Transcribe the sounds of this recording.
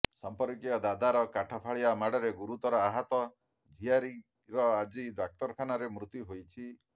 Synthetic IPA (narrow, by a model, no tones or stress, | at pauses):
sampɔɾikijɔd̪ad̪aɾɔkaʈʰɔpʰaɭiamaɽɔɾeɡuɾut̪ɔɾɔaɦat̪ɔ | d͡ʒʱijaɾi | ɾɔad͡ʒiɖak̚t̪ɔɾkʰanaɾemɾut̪juɦojt͡ʃʰi